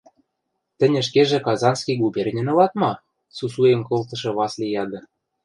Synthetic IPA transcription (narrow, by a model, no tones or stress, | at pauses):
t̪ɘ̆nʲɘ̆ʃ̬keʒĕkɑzɑnskijɡubʲerʲnʲĕnŏlɑt̪mɑ | susujĕmkolt̪ɤ̆ʃɤ̆βɑslʲijɑd̪ɤ̆